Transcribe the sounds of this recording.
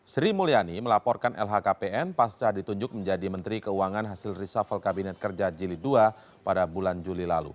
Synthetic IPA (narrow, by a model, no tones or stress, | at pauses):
sɾimulianiməlapɔrkanʔɛ̰lɦakapeʔɛnpast͡ʃadit̪uɲd͡ʒʊk̚məɲd͡ʒadimənt̪ɾikəuaŋanɦasɪlrisafalkabinɛt̪̚kərd͡ʒad͡ʒilidua | padabuland͡ʒulila̰lṵ